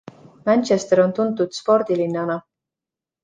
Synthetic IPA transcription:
mænʲt͡ʃest̪eɾo̞nt̪und̪ˑud̪̥spo̞rd̪̥ilinːɑnɑ

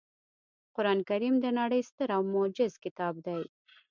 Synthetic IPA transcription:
qʊɾɑnkaɾimd̪ənaɽəjst̪əɾawmʊd͡ʒɪzkɪt̪ɑb̚d̪aj

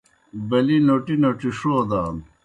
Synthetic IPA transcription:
bɐlinoʈinoʈiʂoːd̪aːn

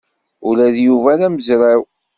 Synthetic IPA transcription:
ulæðjuvænæməzɾaw

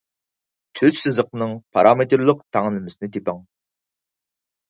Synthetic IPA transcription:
t̪ʰyz̥sɨzəqnɨŋpʰɑɾʔɑmet̪ɾlˠəq̚t̪ʰæŋlɪmɪsɪnɪt̪ʰepɑŋ

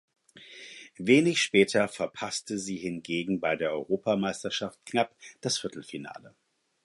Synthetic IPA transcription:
veːnɪçʃpɛːtʰɐfɛɐpʰastəziːhɪnɡeːɡŋ̩baɪdeːɐʔɔʏʁoːpamaɪstɐʃaft̚knapd̥asfɪɐtl̩fina̰ːlə

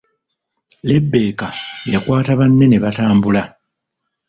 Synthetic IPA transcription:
le̞bːe̞ːkajekwaːtaβanːe̞ne̞βataːmbula

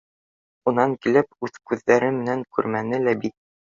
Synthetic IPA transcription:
unɑŋkilɘpʉðkʉðːæɾɘmɘ̆næŋkʉ̰ɾmænɘlæbik̪̚

